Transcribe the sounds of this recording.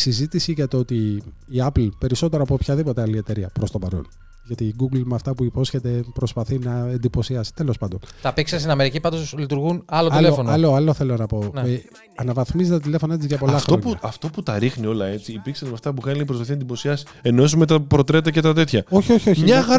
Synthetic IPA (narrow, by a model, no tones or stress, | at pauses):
sizit̪isiʝɐt̪oot̪iː | ɐplpe̞ɾiso̞t̪e̞ɾɐpopçɐðipot̪e̞ɐlie̞t̪e̞ɾiɐ̰pɾo̞st̪o̞pɐɾo̞̰n | ʝɐt̪iːɡuɡlmeɐft̪ɐpuipo̞sçe̞t̪e̞pɾo̞spɐθinɐe̞nd̪ipo̞siɐsi̥t̪e̞lo̞spɐnd̪o̞nt̪ɐpiksest̪inɐme̞ɾicipɐnd̪oslit̪uɾɣunɐlot̪lefonɐloɐloθe̞lonɐpo̞ne | ɐnɐvɐθmizt̪ɐt̪ile̞fo̞nɐet͡sizʝɐpo̞llɐfxɾoɲuɐɐft̪o̞put̪ɐɾixnio̞lɐe̞t͡siːpiksɐzmeɐft̪ɐp̬ukɐniipɾspɐθinɐend̪ipo̞siɐsi̥ | enoesumet̪ɐpɾo̞t̪ɾet̪ɐcet̪ɐt̪e̞t̪çɐo̞çio̞çio̞çiɐɣ